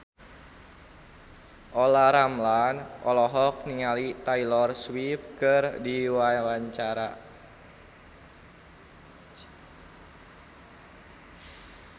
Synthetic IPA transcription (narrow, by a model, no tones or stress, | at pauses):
ʔolaɾamlanʔɔlɔɦɔk̚niŋalit̪ailɔrswip̚kɨrdiwawaɲt͡ʃaɾa